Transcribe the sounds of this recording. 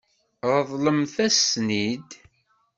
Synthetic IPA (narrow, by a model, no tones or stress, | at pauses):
ɾəðˤləmθæsnid̪